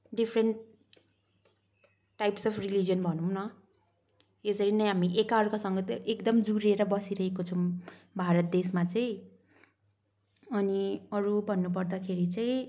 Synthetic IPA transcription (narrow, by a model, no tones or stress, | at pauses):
ɖipʰreɳʈ | ajpsʌpʰrilid͡zijʌnbʱʌnuw̃nʌ | esʌɾinʌjɦamiʔekaɾkasʌŋɡʌt̪ʔekd̪ʌmd͡zuɾeɾʌbʌsiɾʌɦekot͡sʰʌ̃ | bʱaɾʌt̪̚d̪esmat͡saj̃ | ʌniʌɾubʱʌnːup̬ʌrd̪akʰeɾit͡saĩ